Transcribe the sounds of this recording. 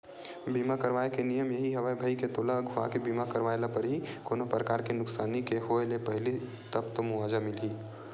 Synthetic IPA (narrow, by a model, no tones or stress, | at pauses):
biːmakəɾʋaːekenijəmjɐɦiɦɐʋəbʱəiket̪oːlaɡʱʊa̰kebiːmakəɾʋaːelapəɾɦikoːnopɾəkaːɾkenʊksaːnikeɦoelepɐɦɪli | t̪ɐpt̪omʊaːd͡ʒamɪliː